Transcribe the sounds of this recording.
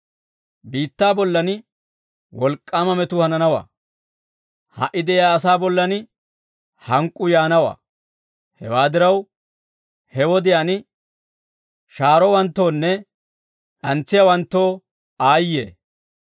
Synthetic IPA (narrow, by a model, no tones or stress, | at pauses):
biːt̪ːaːbɔlːɐnɪ | wɔlkʼːaːmɐmɛt̪ʊhɐnɐnɐwa̰ː | hɐ̰ʔːɪd̪ɛjjaːɐs̬aːbɔlːɐnɪ | hɐŋkʼːʊjaːnɐwa̰ː | hɛ̰waːd̪ɪɾɐw | hɛwɔd̪ɪjanɪ | ʃaːɾɔwɐnt̪ːo̞ːnːɛ | ᶑɐnt͡sːɪjawɐnt̪ːo̞ː | aːjːḛː